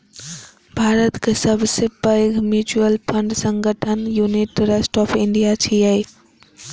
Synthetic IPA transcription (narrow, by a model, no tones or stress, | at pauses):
bʱaɾət̪kesəbʱsepəɡmjut͡ʃuəlpʰəɳɖsə̃ŋɡəʈʰənjuniʈɾesʈɔpʰiɳɖijat͡ʃʰiəj